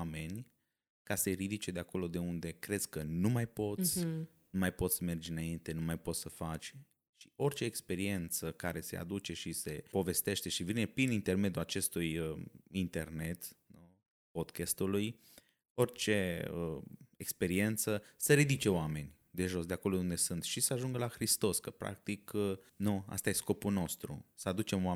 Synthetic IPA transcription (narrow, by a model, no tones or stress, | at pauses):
ame̞nʲ | kase̞ɾid̪it͡ʃe̞d̪eako̞lo̞d̪e̞und̪e̞kɾe̞d̪z̥ʲkənumajpo̞t̪sʲ | numajpo̞t̪sʲme̞rd͡ʒɨnaint̪e̞numajpo̞t̪ssəfat͡ʃ | ʃi̥o̞rt͡ʃe̞ːkspe̞ɾie̞nt̪səkaɾe̞se̞̰a̰d̪ut͡ʃe̞ʃise̞po̞ve̞st̪e̞ʃt̪e̞ʃivinepɾinint̪e̞rme̞d̪juat͡ʃe̞st̪ujəint̪e̞rne̞t̪nu | po̞d̪kest̪uluj | o̞rt͡ʃe̞əekspe̞ɾie̞nt̪səsəɾid̪it͡ʃe̞oame̞nʲ | d̪e̞ʒo̞sd̪eako̞lo̞d̪und̪e̞sɨnt̪ʃisəaʒuŋɡəlaxɾist̪o̞skəpɾa̰k̚t̪ik | nua̰st̪ajesko̞pulno̞st̪ɾṵsəad̪ut͡ʃe̞moa